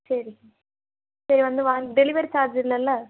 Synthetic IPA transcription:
sɐɾi | sɐɾiʋɐnd̪ɯʋaːɖɛlɪʋɐɾt͡ʃaːɾd͡ʒɪlːɐlːɐ

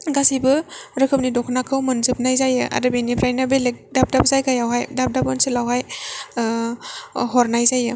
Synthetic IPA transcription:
ɡasibɯɾɯkʰɯp̚nidɔkʰnakʰɯwmɯnzɯp̚najzajɯʔa̰dɯbenipʰɾajnabelek̚dap̚dap̚zajɡʰajawɦajdap̚dapɯnsɯlawɦaj | ɦɔɾnajzajɯ

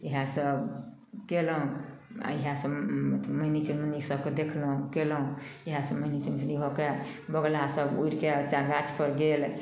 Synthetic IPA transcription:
iɦãsəb | kelɦũa̰iɦãsət̪ʰməinit͡ʃunmənisəbked̪ekʰlɦũkelɦũiɦãsə̃məinit͡ʃut͡ʃnibʱokebəɡlasəbuiɾket͡ʃanɡat͡ʃpəɾɡel

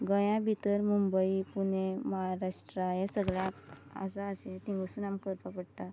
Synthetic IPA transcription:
ɡəjãbʱit̪əɾmumbəipuɳẽməɦaɾaʂʈɾajẽsəɡɭjãa̰saːsẽt̪ĩŋɡəsuːnamkəɾpapəɽt̪a

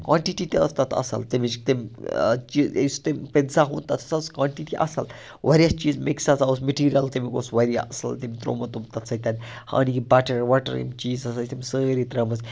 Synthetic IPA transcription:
kwãːɳʈiʈit̪iɐ̰st̪ɐt̪ʰɐ̰sɐ̰lt̪imit͡ʃt̪imt͡ʃḭst̪imʲpensaɦṵnt̪ɐt̪ʰsɐskwaːɳʈiʈiʔɐ̰sɐl | ʋɐɾijɐst͡ʃiːzmeksɐzausmeʈiːɾijɐlt̪imiko̰ːsʋɐɾijaɐsɐ̰lt̪imt̪ɾo̰ːmɐt̪umt̪ɐt̪sʰɐt̪ʲɐnʲ | ha̰ːnikibaːʈɐɾʋaːʈɐ̰ɾḭmt͡ʃiːzɐsɐt̪imsəːɾit̪ɾɐmɐs

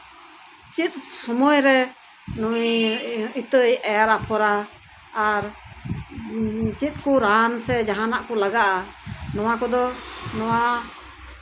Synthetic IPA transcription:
t͡ʃit̪̚sɔmɔjɾɛ | nujit̪əjʔɛaɾapʰɔɾaː | ɾ | t͡ʃit̪̚ˀkuɾansɛd͡ʒaɦanaʔkɔlaɡaʔanɔwakɔd̪ɔnɔwa

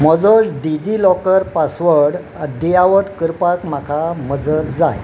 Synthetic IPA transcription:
məd͡zɔd͡zɖid͡ʑilɔkəɾpasʋəɽ | əd̪ijaʋət̪kəɾpakm̤akʰaməd͡zət̪d͡za̰j

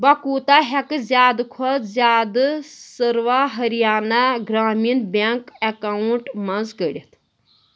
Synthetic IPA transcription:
bɐkuːt̪aɦɐkɨzʲjaːd̪kʰɔt̪zʲjaːd̪ɨsəɾʋaɦɐɾijaːnaɡɾaːmiːnbaŋkɐkauɳʈmɐnzɡəɽʲɐt̪

